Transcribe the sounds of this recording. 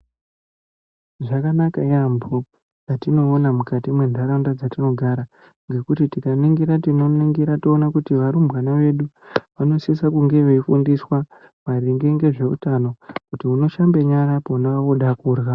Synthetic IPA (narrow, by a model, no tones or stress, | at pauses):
ʐakanakaiambʱu | jatino̞ːnamukatimwe̞ndʱaɾandad͡zatino̞ɡʱaɾa | ŋɡe̞kutitikaniŋɡiɾatino̞niŋɡiɾatoːnakutiʋaɾumbwanaʋe̞ɗuʋano̞sisakuŋɡe̞ʋeifundiswa | mariŋɡeŋɡe̞ʐe̞utano̞kutiuno̞ʃambe̞ɲaɾapounaoɗakuːrɣa